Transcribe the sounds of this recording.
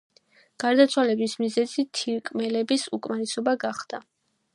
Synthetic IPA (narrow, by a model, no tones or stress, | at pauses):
ɡ̥aɾd̪at̪sʰwalɛbismizɛzit̪ʰiɾkʼmɛlɛbisukʼmaɾɛsɔbaɡaχd̪̥a